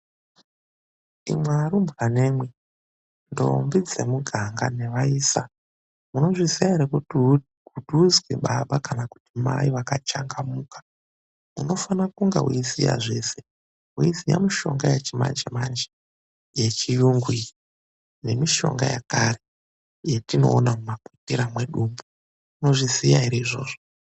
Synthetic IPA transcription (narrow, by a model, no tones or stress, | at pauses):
ḭmwaɾumbɣane̞ːmwe | ndo̞̰mbid͡zemuɡʱaŋɡa̰ne̞ʋaiːsa | muno̞ʐisijaɾe | kuduzwiɓaɓakanaku̥tima̰iʋakat͡ʃaŋɡamukḁ | uno̞fanakuŋɡḛɦṵizija̰ʐe̞ːse | ɦuizija̰miʃo̞̰ŋɡajet͡ʃima̰nd͡ʒemand͡ʒe | jet͡ʃijuŋɡwi | ne̞miʃo̞̰ŋɡa̰ja̰kare | jetino̞̰ːnamumakutiɾamwe̞ɗuːmbu | muno̞ʐizijaiɾiiʐo̰ːʐo